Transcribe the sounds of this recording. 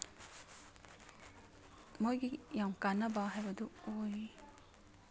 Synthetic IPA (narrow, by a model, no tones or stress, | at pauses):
mojɡijamkanːabaɦajbɐd̪uoj